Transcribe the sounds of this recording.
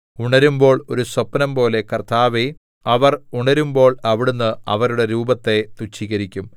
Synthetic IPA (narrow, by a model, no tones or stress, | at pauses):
uɳɐɾumbo̞ːɭo̞ɾuswɐpːɐnɐmpo̞ːle̞kɐrt̪ʰaːʋe | ɐʋɐruɳɐɾumbo̞ːɭɐʋiɽunːɨɐ̰ʋɐɾuɽe̞ɾuːbɐt̪ːe̞t̪ut͡ɕːiɣɐɾikʲːum